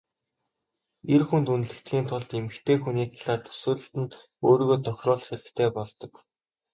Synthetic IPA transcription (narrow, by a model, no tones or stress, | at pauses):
erxunt̪unɮɘ̆kt̪ɡʲiːnt̪ʰʊɮt̪emɘ̆kt̪ʰeːxuniːt̪ʰaɮaːrt̪ʰɵ̥sɵːɮɵ̆ɬt̪ɘ̆n | oːɾiːɣoːt̪ʰɔxʲrɔːɮχeɾɘ̆kt̪ʰeːpɔɮt̪ɞ̆k